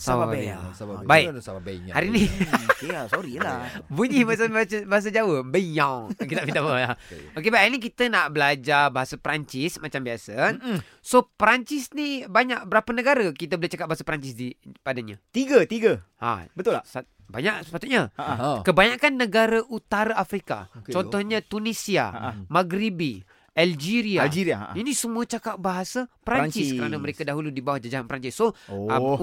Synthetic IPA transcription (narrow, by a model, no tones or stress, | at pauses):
saaa̰sabaiʔsababɛhaɾinikesoɾilabuɲihmat͡ʃambt͡ʃəbaɦas̬əd͡ʒawəbəjãwkit̪aʔfid̪abalaokebaiʔʔnik̬it̪ənaʔbəlad͡ʒabaɦasəpəɾaɲt͡ʃismat͡ʃambiasə | sopɾaɲt͡ʃisnibaɲaʔ̚bəɾapənəɡaɾəkit̪əbəlit͡ʃakat̪̚baɦasəpəɾaɲt͡ʃisdipadaɲat̪iɡət̪iɡəha̰bət̪ʊls | baɲaʔsə̥pat̪ut̪̚ɲakəbaɲakanːəɡaɾaʔut̪aɾaafɾika̰kt͡ʃɔnt̪ɔhɲat̪unisia̰maɡɾibi | ʔald͡ʒiɾiald͡ʒiɾiainĩsəmuət͡ʃakaʔ̚baɦasapɾaɲt͡ʃɪskəɾanaməɾekadaɦuludibawahd͡ʒad͡ʒaɦanpəɾaɲt͡ʃɪsːo